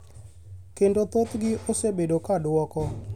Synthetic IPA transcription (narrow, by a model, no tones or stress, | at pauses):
kendot̪ot̪ɡɪʔosebedokadwɔkɔ